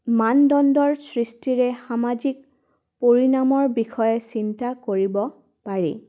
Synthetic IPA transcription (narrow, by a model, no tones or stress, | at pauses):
mandɔndɔɹsɹistiɹɛxamazik̚ | poɹinamɔɹbixɔjɛsintakoɹibɔ | paɹḛ